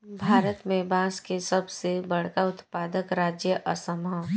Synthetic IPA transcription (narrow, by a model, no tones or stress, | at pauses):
bʱaːɾət̪mẽbãːskesɐbsebɐɽ̤kaʊt̪paːd̪əkɾaːd͡ʒjəʔɐsəmã